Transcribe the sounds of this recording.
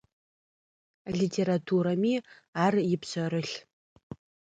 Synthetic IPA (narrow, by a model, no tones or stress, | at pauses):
aɮitʰeɾatʰuɾami | arjɪpsɔɾɨɬ